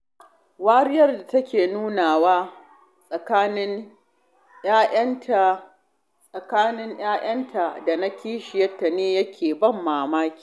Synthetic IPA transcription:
waː˦ɾɪ˦jɐ˦rda˨tɐ˦kʲeː˨nuː˦naː˨waː˦ | sʼɐ˨kaː˦nɪ˦ŋ | j̰aː˦ʔɐ˦ntʰa˨ | sʼɐ˨kaː˦nɪ˦ŋj̰aː˦j̰ʔɐ˦ntʰa˨da˨na˦kʲiː˦ʃɪ˨jɐ˦tːa˨neː˦jɐ˦kʲʰeː˨bɐ˦˨mːaː˨maː˦kʲi̥ː˨

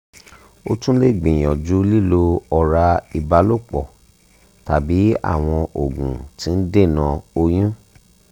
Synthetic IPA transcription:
o̰˧˦tũ˦le˦˨ɡ͡bĩ˨j̃ɔ̃˨d͡ʒu˨˦li˦˨lo˧ɔ˨ɾa˧i˨ba˨˦lo˦˨k͡pɔ˨ | ta̰˨bi˨˦a̰˦˨w̃ɔ̃˧ʔo˨ɡṵ̃˨tĩ˧˦n̩˦de˦˨nã˧o˧j̃ũ˦

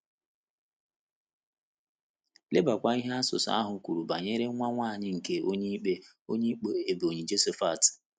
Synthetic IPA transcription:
le˦ba˨kʷa˨i˦ɦa˦sʊ̰˨sa̰˦a˦ɦʊ˨kʷu˨ɾu˨ba˨ɲe˦ɾe˦ŋʷa˦ŋʷaː˦˨ɲɪ˦ŋ̩˨ke˦o˦ɲe˦k͡pe˦ | o̰˦ɲe˦k͡pe˦e˨bo˨ɲe˨d͡ʒe˦se˦fa˦˨tɪ̥˨

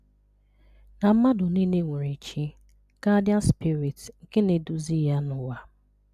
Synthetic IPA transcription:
na˨m̩˦ma˦dʊ˨ni˦ne˦ŋʷe˨ɾe˨t͡ʃi˦ | ka˦dɪ˦a˦spi˦ɾi˨tŋ̩˨ke˦ne˨du˨zi˦ja˦nʊ˨wa˦

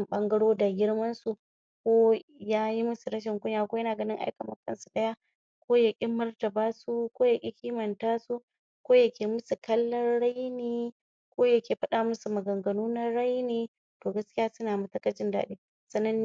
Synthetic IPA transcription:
mɓɐ˦ŋɡɐ˦ɽoː˦da˨ɡʲɪ˦ɽmɐ˦nsu˨ | kʷoː˦jaː˦ji˦mʊ˦su˨ɾɐ˦ʃ̬ɪ˨ŋkʷʊ˦ɲjaː˨kʷoː˦jɐ˦naː˨ɡɐ˦nɪ˦ŋʔa̰˦jkɐ˨mɐ˦kːɐ̰˦nsu˨ɗɐ˦ja˦ | kʷoː˦jɐ˨kʲʼɪ˦mːɐ˦rtɐ˨baː˦su˦kʷoː˦ja˨kʲʼɪ˦kʲi˦mɐ˨ntaː˦su˦ | kʷoː˦jɐ˦kʲeː˨mʊ˦su˨kɐ˦lːɐ˦rɽa˦jniː˨ | kʷoː˦jɐ˦kʲeː˨ɸɐ˦ɗaː˨mʊ˦su˨mɐ˨ɡɐ˨ŋɡɐ˨nuː˦na˦ɽa˦jneː˨ | toː˨ɡɐ˦skʲɪ˦jaː˦sʊ˦naː˨mɐ˨tɐ˦kɐ˦t͡ʃɪ˦nda̰ː˨ɗeː˦ | sɐ˨nːɐ˦n

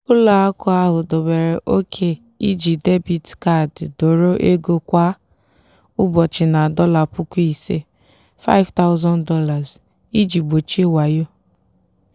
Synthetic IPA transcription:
ʊ˦la˨a˦kʊ˦a˦ɦʊ˨dɔ˨be˨ɾe˨ʔo˦kʰe˨ | i˦d͡ʒi˨de˦bi˨dka˦˨ddo˨ɾo˦ʔe˦ɡo˦kʷa˦ | ʊ˦bɔ˨t͡ʃɪ˨na˨dɔ˦la˨pʊ˦ku˦i˨se˦ | fa̰˦ɪ˦vta˦ʊ˦zɔ̃˦ndɔ˦la˨z | i˦d͡ʒi˨ɡ͡bo˨t͡ʃi˦e˦wa˨jo˦

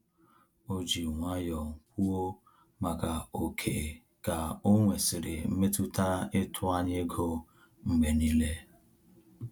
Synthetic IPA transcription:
o˦d͡ʒi˨ŋʷa˦jɔ˨ŋ̩˨kʷu˦o˦ | ma˨ka˨o˨kʰe˨ | ka˨o˦ŋʷe˨sɪ˨ɾɪ˨m̩˦me˦tʊ˦ta˦ɪ˦tʰʊ˦a˦ɲe˦ɡo˦ | m̩˦me˨ni˦le˦

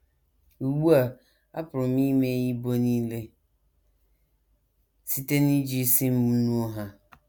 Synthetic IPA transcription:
wu˨bu˦a˨ | a˦pʰɾʊ˨mĩ˦me˦ji˦bo˦nĩ˦le˦ | si˦te˦nĩ˦d͡ʑi˦sɪ̃˦m̩˦mũ˦nũ˦ɔ˦ɦa˦

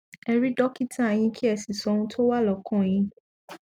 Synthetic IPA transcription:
ɛ˧ɾi˦dɔ˦ki˦tʰã˦˨j̃ĩ˧kʰi˦ɛ˧˨si˨sɔ˨˦nũ˦tʰo˦wa˦lɔ˨kɔ̃˦˨j̃ĩ˧

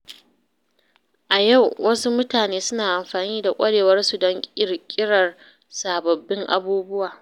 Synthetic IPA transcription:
ʔa˨ja˦˨wwɐ˦su˦mʊ˦taː˨neː˦sʊ˦naː˨ʔa˨mɸaː˨niː˦da˨kʷʼɐ˦ɽeː˨wɐ˦rsu˨dɐ˦ŋkʲʼɪ˦rkʲʼɪ˦ɽɐ˨r | saː˨bɐ˨bːɪ˦ŋʔa̰˦buː˦bʊ˦waː˨

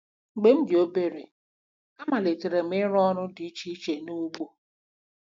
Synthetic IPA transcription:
ŋ͡m̩˨ɡ͡be˦m̩˦d͡ʒɪ˨o˦be˦ɾḛ˨ | a˦ma˨le˨te˨ɾe˨m̩˦ɪ˦ɾɔ˦ɾʊ˦di˨˦t͡ʃi˦t͡ʃe˨nu˦ɡ͡bo˦˨

